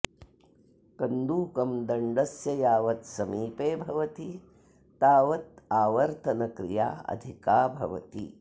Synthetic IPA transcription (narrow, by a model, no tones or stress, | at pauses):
kɐnd̪uːkɐmd̪ɐɳɖɐsjɐjaːʋɐt̪sɐmiːpeːbʱɐʋɐt̪i | t̪aːʋɐt̪̚aːʋɐɾt̪ʰɐnɐkɾḭja̰ːɐ̰d̪ʱikaːbʱɐ̰ʋɐ̰t̪ḭ